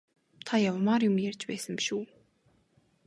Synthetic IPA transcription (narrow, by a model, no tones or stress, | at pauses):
t̪ʰajawmaːrjʊmjært͡ɕpæːsə̆mpi̥ʃuː